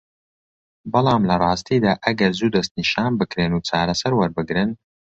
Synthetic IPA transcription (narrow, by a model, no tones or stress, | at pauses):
bɨlˠɑːmlɐrˤɑːst̪iːd̪aːʔɐɡɐɾzuːd̪ɐst̪̚niʃaːnbɨkɾeːnuːt͡ʃaːɾɐsɐɾwɐɾbɨɡɾɨn